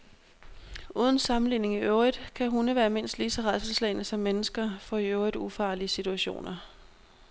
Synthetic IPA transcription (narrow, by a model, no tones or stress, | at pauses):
ʔuːð̞ˠən̩sɑ̈mn̩liːne̝ŋiøʊʁid̥kʰæɦunəʋæːɐme̝n̰sd̥liːsɒ̽ʁɑðˠsəlslɛɪnəsɒ̽mːenəsɡ̥ɐfɒ̽iøʊʁid̥ufɑ̈ːliəsit͡sʰuæɕo̝̰ːnɐ